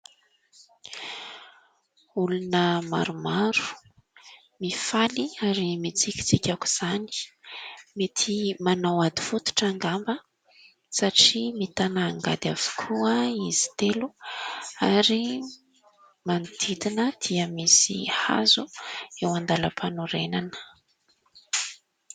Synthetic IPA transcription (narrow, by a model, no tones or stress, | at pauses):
ulunəma̰ɾumaɾu̥ | mifaliaɾimit͡sikʲi̥t͡sikʲaku̥z̥ani̥ | met̪ʰimanawad̪i̥fut̪u̥ʈ͡ʂaŋɡambə | saʈ͡ʂimit̪anaːŋɡa̰d̪av̥u̥kʰuəizi̥t̪elu | aɾi | mand̪id̪inəd̪̥iəmisḭha̰zuewand̪aləpʰanuɾenanə̥